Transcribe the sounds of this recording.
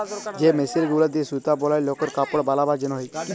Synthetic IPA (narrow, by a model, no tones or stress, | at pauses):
d͡ʒemesiɾɡulad̪isut̪abɔlajlɔkɔɾkapɔɽbalabaɾd͡ʒənɦj